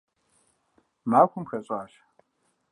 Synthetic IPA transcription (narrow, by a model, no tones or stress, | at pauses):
maːxʷʊmxɐɕʼaːʃ